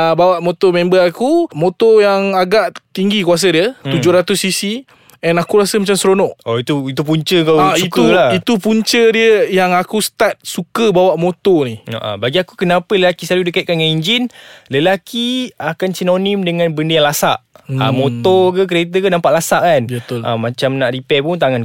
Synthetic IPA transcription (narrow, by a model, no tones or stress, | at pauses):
abawaʔmot̪ɔmɛ̃mbəakumot̪ɔjaŋaɡaʔt̪iŋɡikuas̬ədiət̪ud͡ʒʊɾat̪ʊsːisi | ɛnakuɾasəmat͡ʃamsɾonɔʔɔit̪uit̪up̬uɲt͡ʃəkawauitkulait̪upuɲt͡ʃədiəjaŋakusə̥t̪at̪̚sukəbawaʔmot̪ɔnia̰ʔa̰baɡiakukənãpələlakisaludikaiʔ̪̚kanŋaniɲd͡ʒinləlakiakansinonimdəŋãnbəndəjaŋlasaʔa̰mot̪ɔk̬ək̬əɾet̪əkənãmpaʔlasaʔkanbət̪ʔa̰mãt͡ʃamnaʔripɛpunt̪̬aŋan